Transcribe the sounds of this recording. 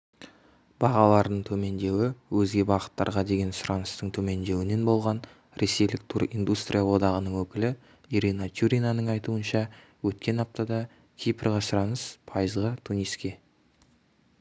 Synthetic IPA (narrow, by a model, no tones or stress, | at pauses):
b̥ɑʁɑlˠɑɾd̪əɴt̪ʰɵme̞nd̪e̞wɪwɵzɡʲe̞bɑʁə̥t̪ːɑ̰ɾʁɑd̪e̞ɡʲe̞nsʊɾɑnəst̪əɴt̪ʰɵme̞nd̪e̞wɪne̞nbo̞lˠʁɑn | ɾʔe̞se̞jlɪk̚t̪ʰuɾḭjnd̪ust̪rʲʔijalˠwo̞d̪ɑʁənəɴwɵkʲɪlɪ | iɾinat̪ʲʰjuɾʲinanəɴɑjt̪uənʃɑ | wɵt̪̚kʲe̞nɑp̚t̪ɑd̪ɑ | kʲʰijprʁɑsʊɾɑnəspʰɑjəzʁət̪ʰuniskʲe